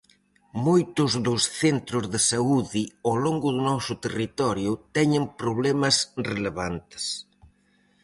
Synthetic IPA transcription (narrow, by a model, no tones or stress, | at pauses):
mojt̪ʊzðʊsθent̪ɾʊzðɪsauðiawloŋɡʊðʊnɔsʊt̪erit̪ɔɾjʊt̪ɛɲɪŋpɾoβlɛmɐsreleβant̪ɪ̥s